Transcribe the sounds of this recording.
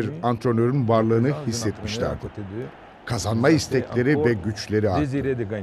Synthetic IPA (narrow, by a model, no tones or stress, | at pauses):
iɾant̪ʰɾo̞nøɾynvaɾlˠɯːnɯhisːɛt̪miʃlʲæ̰ɾd̪ɪ | kʰazanmaist̪ʰɛcllʲe̞ɾivɛɟyt͡ʃlʲe̞ɾia